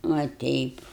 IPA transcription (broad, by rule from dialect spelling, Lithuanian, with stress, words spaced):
ʋɐ ˈtʲɛɪp